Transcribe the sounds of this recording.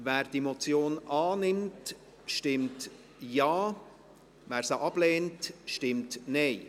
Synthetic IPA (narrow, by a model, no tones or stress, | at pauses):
væːɾd̥iemot͡sjoːnʔɑːnɪmt | ʃtɪmt | jɑː | væːɾsəʔɑb̥lɛːntʃtɪmtnɛɪ